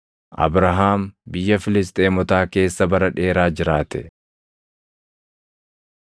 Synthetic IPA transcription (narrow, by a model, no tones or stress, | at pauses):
ʔɐ̰bɾɐɦaːmbɪjːɐfɪlɪs̬t̪ʼe̞ːmɔt̪aːke̞ːsːɐbɐɾɐᶑe̞ːɾaːd͡ʒɪɾaːt̪ɛ